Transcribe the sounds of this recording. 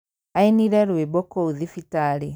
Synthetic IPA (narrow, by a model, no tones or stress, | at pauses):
ainiɾɛɾwebɔkɔuðifitaɾi